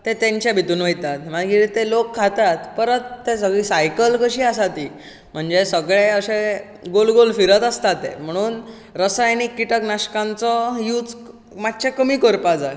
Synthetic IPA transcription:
t̪et̪ẽɲt͡ɕjabʱit̪uːnʋəjt̪at̪m̤akiit̪elokʰːat̪at̪pəɾət̪ːes̬əɡɭiːsajkəlkəɕiːasat̪i | m̤əɳd͡zesəɡɭeəɕe | ɡolɡolfiɾət̪əst̪at̪ḛm̤əɽ̃uːn | ɾəsajnikːiʈəknaɕkãnt͡sɔjuːt͡s | mat̪ːt͡ɕakəmiːkoɾpad͡za

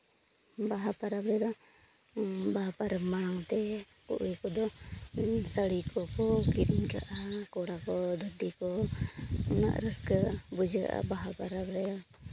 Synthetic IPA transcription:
baɦapaɾabɾɛd̪ɔ | baɦapaɾmaɽawt̪ɛ | kṵʔujkɔd̪ɔ | səɽikɔkɔkiɗiɲɡa̰ʔakɔɽakɔd̪ʱədikɔ | ɔna̰ʔɾəskəbud͡ʒɡa̰ʔa̰baɦapaɾabɾɛja

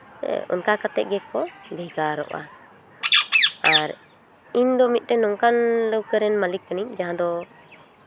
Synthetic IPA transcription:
ɔ̰nkakat̪ɛʔ̚ɡɛkɔbɛɡaɾɔ̰ʔa̰ | aɾ | iɲd̪ɔmit̪̚ˀʈɛnɔŋkanləwkəɾɛnmalikːəniɲd͡ʒaɦãd̪ɔ

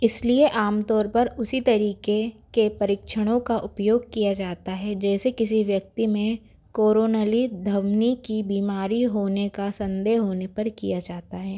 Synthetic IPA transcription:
ɪslieʔaːmt̪ɔːɾpɐɾʊsit̪ɐɾiːkekepɐɾɪkʃəɽ̃õkaʔʊpjoːɡ̚kijad͡ʒaːt̪aɦɛd͡ʒɛːsekɪsiʋjɐk̚t̪imẽ | koːɾoːnəlid̪ʱɐʋnikibiːmaːɾiɦoːnekasɐ̃nd̪eːɦɦoːnepɐɾkijad͡ʒaːt̪aɦɛː

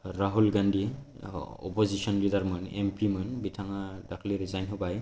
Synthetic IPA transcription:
ɾaɦulɡandi | ɔ̰pozisɔnlidaɾmɯnḛmpimɯnbitʰaŋadakʰliɾizajnɦɔbaj

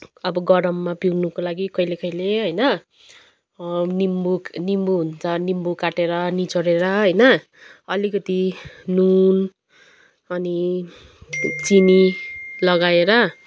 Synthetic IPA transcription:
ʌbʌɡʌɾʌmːapiɡnukolaɡikʌilekʌileɦʌjnʌ | nimbuknimbuɦunt͡sʌnimbukaʈeɾʌnit͡soɾeɾʌɦʌjnʌ | ʌlikʌt̪inun | ʌni | t͡sinilʌɡaeɾʌ

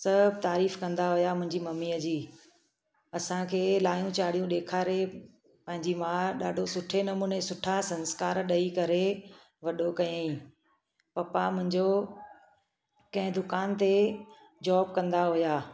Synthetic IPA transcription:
sɐbʱt̪aːɾiːfkɐ̃nd̪aɦʊjamʊ̃ɦɪ̃ɲd͡ʑimɐmːiːəd͡ʑiː | ɐsãkʰeːlaːjũt͡ɕaːɽ̤ijũɗeːkʰaːɾe | pɐ̃ɦɪ̃ɲd͡ʑimãɗaːɖʱosʊʈʰenɐmuːnesʊʈʰasɐnskaːɾɗɐikɐɾe | ʋɐɗokɐjãːĩ | pɐpamʊ̃ɦɪ̃ɲd͡ʑo | kɐ̃ɦɪ̃d̪ʊkaːnt̪e | d͡ʑɔːb̚kɐ̃nd̪aɦʊjaː

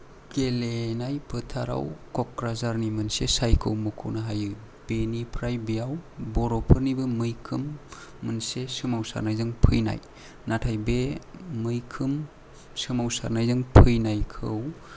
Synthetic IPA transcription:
kelenajpʰɯtʰaɾa̰wkɔkɾazaɾnimɯnsesajkʰɯwmɯkʰṵwnaɦajɯ | b̥enipʰɾajbijawbɔɾɔpʰɯɾnibɯmɯjkʰɯmːɯnsesɯmawsa̰ɾnajzɯŋpʰɯjna̰j | natʰajbemɯjkʰɯm | sɯmawsa̰ɾnajzɯŋpʰɯjnajkʰɯw

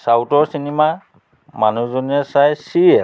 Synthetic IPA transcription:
sawtɔɹsinima | manuzoniɛsajsiɛ

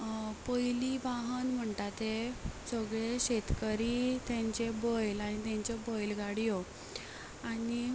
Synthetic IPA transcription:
pəjliʋaɦənm̤əɳt̪at̪esəɡɭeɕet̪kəɾit̪jãɲt͡ɕebɔjlaɽ̃it̪jãɲt͡ɕebɔjlɡaɽijɔ | ani

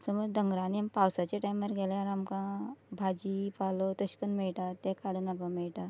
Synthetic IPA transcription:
səməd͡zd̪əŋɡɾãnimpawsat͡ɕeʈajmːəɾɡeleaɾamkãbʱad͡ʑipalot̪əɕkənmeɭʈ̪at̪ekʰaɽunapameɭʈa

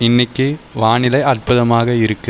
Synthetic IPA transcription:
ɪnːɪkːɯʋaːɳɪlɐɪɐrpʊðɐmaːɣɐɪɾɯkːɯ

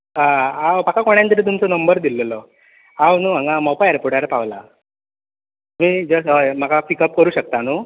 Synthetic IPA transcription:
ɦaawpakakoɽ̃jant̪əɾiːt̪umt͡sɔnəmbəɾd̪iləlɔ | awnuːãŋɡamɔpaeɾpoʈaɾpaʋla̰ | um̤iːd͡zəsəm̤akapikəp̚kəɾuːɕək̚t̪anu

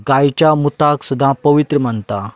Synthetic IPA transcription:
ɡajt͡ɕjamut̪aksud̪ʱːãpəʋit̪ɾəm̤ənt̪a

